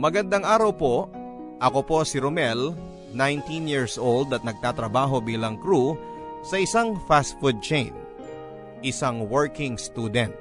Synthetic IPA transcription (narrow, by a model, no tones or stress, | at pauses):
mɐɡɐnd̪aŋʔaːɾɐwpo̞ | ʔɐko̞po̞sɪɾomɛl | najnt̪injiɹsʔold̪ɐt̪nɐɡ̚t̪aːt̪ɾɐbaːɦo̞biːlɐŋkɾu | sɐʔɪsaŋfast̪fud̪̚t͡ʃejn | ʔɪsaŋwɛɹkɪŋst̪uːd̪ɛnt̪̚